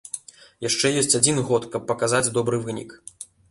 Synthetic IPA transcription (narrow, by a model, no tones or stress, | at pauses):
jaʂt͡ʂɛjɔsʲt͡sʲad͡zʲinɣɔt̪kɐpːɐkazad͡zʲd̪ɔbɾɨvɨnʲḭk